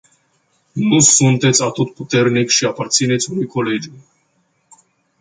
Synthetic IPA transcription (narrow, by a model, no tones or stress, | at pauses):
nusːunt̪ɛt͡sʰɑt̪ɔt̪̚put̪ɛɾnɛkʃiɑpɑt͡sʰinɛt͡sʰuɾikʰɔlɛd͡ʒum